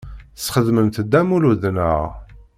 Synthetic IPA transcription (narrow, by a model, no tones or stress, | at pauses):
θsχəðməmθəd̪ːæmuluðnə̰ʁ